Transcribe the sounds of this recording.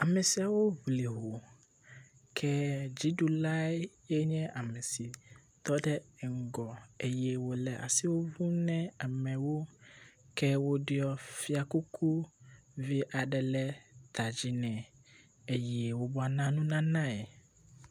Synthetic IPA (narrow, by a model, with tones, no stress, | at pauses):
a˨mɛ̃˨si˨˦a˨wo˦vli˨ɦo˨ | kʰɛ˦d͡ʑi˦du˨la˦ɛ˦ | ɛ˦ɲɛ̃˦ʔa˨mɛ̃˨si˨ | t̪ɔ˦ɖɛ˦˨ŋ̩˨ɡɔ˨e˨jɛ˨wo˨lɛ˨ʔa̰˨si˦wo˦vu˦nɛ̃˦a˨mɛ̃˨wo˦kʰɛ˦wo˦ɖɪ˦ɔ˦fi˦a˨ku˦kʰu˦vi˦ʔa˨ɖɛ˨lɛ˦t̪ʰa˨d͡ʑi˦nɛ̃˨ | e˨jɛ˨wo˨bɔ˦a˨nã˦nũ˦nã˦nã˦ɛ˨